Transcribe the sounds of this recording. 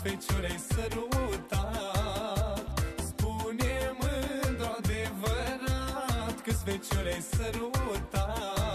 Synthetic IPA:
fet͡ʃuɾejsəlut̪a | spunemɨnt̪ɾoad̪evəɾat̪kəsfet͡ʃoɾejsəɾut̪a

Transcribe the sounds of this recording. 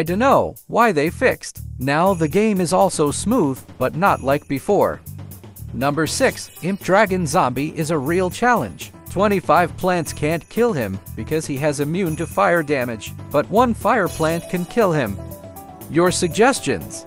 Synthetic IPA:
ɪtɨnoʊwaɪðeɪfɪkstnaʊðɨɡẽɪ̃mɨzɔlˠsoʊsmuðb̥ʌtⁿnətˡlaɪk̚b̥ɨfɔɹ | nʌ̃mbə˞sɪksɪ̃mp̚d̥ɹæɡɨ̃nzɑ̃mbiʔɪzəɹilˠt͡ʃʰælˠɨ̰̃n̥ʒ̥tʰw̥ɛ̃ɾ̃ifaɪv̥pʰl̥æ̃ntskʰæ̃nkʰɪlˠɪ̰̃mb̥ɨkʰʌz̥iɨzɨmjʉ̃ntɨfaɪə˞dæmɨd͡ʒb̥ʌt̚wʌ̃nfaɪə˞pʰl̥æ̃nkʰɨ̃nkʰɪlˠɪ̃m | jə˞sɨɡ̚d͡ʒɛst͡ʃɨ̰̃nz̥

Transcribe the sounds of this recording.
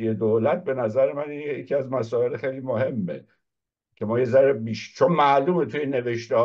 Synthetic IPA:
ijed̪olæt̪̚be̞næzæɾemænijecʰiæzmæsɒːe̞lxejliːmoɦe̞mːḛ | cʰe̞mɒːje̞zæɾebiːʃt͡ʃʰonmæʔluːmet̪ʰuːjene̞ve̞ʃt̪eh

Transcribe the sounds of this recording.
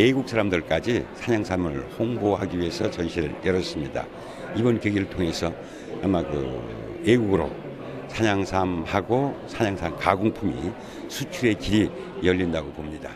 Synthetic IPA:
eɡuk̚s͈ʰaɾamdɯɭk͈ad͡ʑisʰaɲaŋsʰamɯɭhoŋboɦaɡiɥie̞sʰʌt͡ɕʌnɕʰiɾɯ̰ɭjʌɾʌs͈ɯmɲida̰ | ibʌnkeɡiɾɯɭtʰoŋe̞sʰʌ | amakɯ̰ | eɡuɡɯɾo̰ | sʰaɲaŋsʰamhaɡosʰaɲaŋsʰamkaɡuŋpʰumi | sʰut͡ɕʰue̞kiɾi | jʌʎːindaɡopomɲida

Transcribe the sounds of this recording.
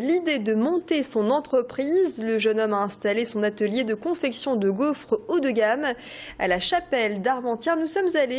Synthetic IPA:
lid̪ed̪əmɔ̃t̪esɔ̃nɑ̃t̪χəpχizləʒənɔmaɛ̃st̪alesɔ̃nat̪əljed̪əkɔ̃fɛksjɔ̃d̪əɡofχud̪əɡam | a̰laʃapɛld̪aʁmɑ̃t̪jɛʁnusɔmzale

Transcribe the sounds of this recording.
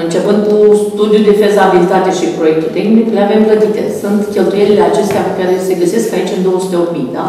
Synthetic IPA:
ɨnt͡ʃe̞pɨnd̪̚kust̪ud̪jud̪e̞fezaabilit̪at̪e̞ʃipɾo̞je̞k̚t̪ult̪eɡmikle̞ave̞mplət̪it̪e̞̰sunt̪kʲe̞lt̪uje̞ɾile̞at͡ʃe̞st̪eakaɾe̞se̞ɡəseskait͡ʃʲɨnd̪o̞əsu̥t̪e̞o̞pmijd̪a

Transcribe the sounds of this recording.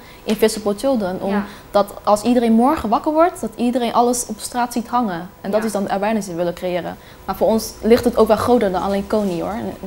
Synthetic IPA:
ʔɪnfɪsəpotolˠdənʔɔm | d̥ɑtɑlˠsidəɾejnmɔɹχəʋɑkəɹʋɔɹtdɑtidərejnʔɑləsɔpstraːtsitɦɑŋənɛndɑtɪzdɑndəɛlbɛjnɪsɪəʋɪləkrejɪːrə̰ | maːɹvoːɹɔnslɪχtətowkʋɛlˠχrowtəɹdɑnɑlejnkowniʊ̰ːɹn

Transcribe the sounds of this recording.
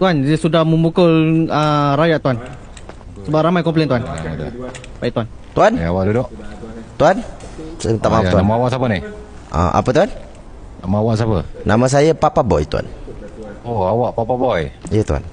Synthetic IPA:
t̪uandəsudahmə̃mbukʊləɾajaʔt̪uan | səbap̚ɾamajkɔmplent̪uanmət̪ua̰ | bajiʔt̪wan | t̪uanawaʔdudoʔt̪uanst̪aʔmat̪uaamaawaʔsapənɪh | ʔa̰ʔa̰pət̪uan | namaawaʔs̬apə̰namə̃s̬ajəpapabɔ̰jt̪ua̰n | oawaʔpapabɔjijət̪ua̰n

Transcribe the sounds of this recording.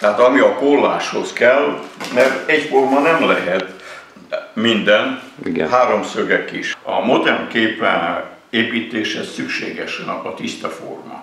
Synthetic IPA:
t̪ɛɦaːt̪ɒmiɒkolːaːʃho̞skɛlmɛrɛɟformɒnɛmlɛɦɛt̪ | mind̪ɛniɡɛɦaːɾo̞msøɡɛkiʃɒ̰mo̞d̪ɛrnkeːpːɛ̰n | eːpiːt̪eːʃhɛssykʃḛːɡɛʃɛnɒpɒt̪ist̪ɛfo̰rmɒ̰

